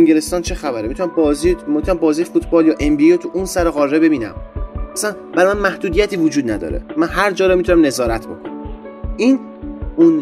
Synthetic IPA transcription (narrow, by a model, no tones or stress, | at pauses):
eŋɡele̞st̪ɒːnt͡ʃʰe̞xæbæɾemit̪ʰunæmbzimot̪ʰnæmbɒːziːjfut̪ʰbɒːljɒːʔe̞mbiot̪ʰuʔunsæɾoɣɒːɾːe̞be̞biːnæ̰mʔæsæn | b̥æɾɒmænmæhd̪uːd̪ijæt̪ʰiːvod͡ʒuːd̪̚næd̪ɒ̰ːɾḛmænhæɾd͡ʒɒːɾɒmit̪ʰunæmne̞zɒːɾæt̪ʰbo̞̰kʰonæ | ʔiːn | un